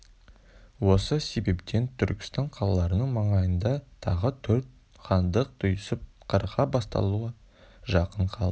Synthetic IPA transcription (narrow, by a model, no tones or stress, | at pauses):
wo̞səse̞be̞pt̪ʰe̞nt̪ʰʏɾkʲɪ̥st̪ɑɴqʰɑlˠɑlˠɑɾənəɴmɑɴɑjənd̪ɑt̪ʰɑʁət̪ʰɵɾt̪̚ | χɑnd̪əq̚t̪ʰʊjsəp̚qʰəɾqɑbɑst̪ɑ̰lˠuə | ʒɑqəɴqʰɑlˠd̪ə